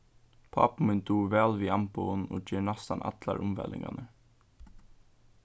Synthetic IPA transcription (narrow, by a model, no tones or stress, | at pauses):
pʰɑ̰ːpmɪnd̪uːʋæːlʋiːɑmpʊnoːceːnɑst̪ɑnʔɑ̰t̪lɑɾʔʊmʋɛ̰lɪ̰ŋɡɑ̰nə